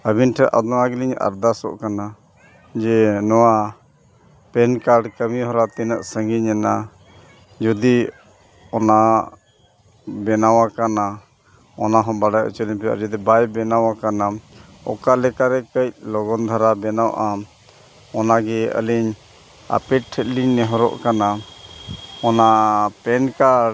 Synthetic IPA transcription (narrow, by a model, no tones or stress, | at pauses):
əbinʈʰɛʔa̰d̪ɔŋaɡiliɲa̰ɾd̪asɔ̰ʔkana | d͡ʒɛnɔwa | pɛnkaɾɖkəmiɦɔɾat̪inəʔsəŋɡiɲɛna | d͡ʒɔd̪i | ɔna | bɛnawakana | ɔnaɦɔ̃baɽajʔa̰t͡ʃɔliɲpɛjʔa̰d͡ʒɔd̪ibajbɛnawakana | ɔ̰kalɛkaɾɛkəc̚lɔɡɔnd̪ʱaɾabɛnawʔa | ɔnaɡɛə̰liɲ | a̰pɛt̚ʈʰːət̪̚liɲnɛɦɔɾɔ̰ʔkana | ɔnapɛnkaɖ